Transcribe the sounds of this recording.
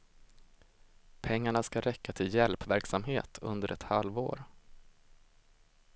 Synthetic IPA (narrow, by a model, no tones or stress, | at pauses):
pʰɛŋːaɳaskaɾɛkːat̪ʰɪljɛlpvæɾksamhḛːt̪ʰɵ̰nd̪əɾʔɛt̪halvo̰ːɾ